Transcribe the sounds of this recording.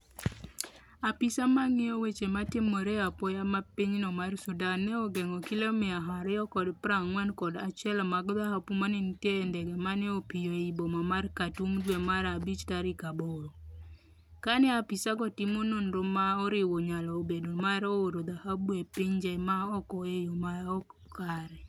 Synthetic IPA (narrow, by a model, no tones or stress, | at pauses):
apisamaŋɪɔwet͡ʃematɪmoɾeapɔjamapiɲnɔmarsudanːɛɔɡɛŋɔkilomɛaɦaɾɔjɔkɔdpɾaŋːwɛnkɔdat͡ʃɛlɔmaɡd̪ahapumanɪntendɛɡɛmanɛopijoibomamarkatumdwemaɾabit͡ʃtaɾikaboɾo | kanɛapisaɡɔtɪmononɾomaɔɾɪwoɲalɔobedomaɾooɾod̪ahabwepɪɲd͡ʒɛmaɔkɔejomaɔk | kaɾɛ